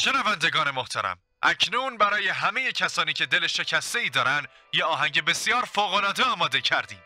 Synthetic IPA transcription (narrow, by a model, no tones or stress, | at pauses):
ʃe̞nævænd̪e̞ɡɒːne̞moht̪ʰæ̰ɾæ̰m | ʔæcʰnuːnbæɾɒːje̞ɦæme̞je̞cʰæsɒːniːcʰe̞d̪e̞le̞ʃe̞cʰæst̪e̞iːd̪ɒːɾænd̪ | jeɒːɦæɲɟe̞be̞sijɒːɾfoːɣolɒːd̪eɒːmɒːd̪e̞cʰæɾd̪iːm